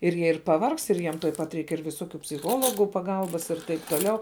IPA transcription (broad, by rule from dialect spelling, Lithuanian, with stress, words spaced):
ɪr ˈjiɛ ɪr pɐˈʋɐrkst ɪr ˈjiɛm tuɔj ˈpɐt ˈrʲɛɪk ɪr ʋʲɪˈsoːkʲʊ pʲsʲɪˈxoːlˠoːɡuː pɐˈɡɐlˠbɐs ɪr ˈtɐɪp toːˈlʲɛʊ